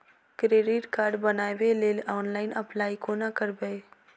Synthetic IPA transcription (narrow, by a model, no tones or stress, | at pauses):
kɾeːɖɪʈkaːɾɖbənaːʋeleːlɔːnlaːɪnəplaːikoːnakəɾbəe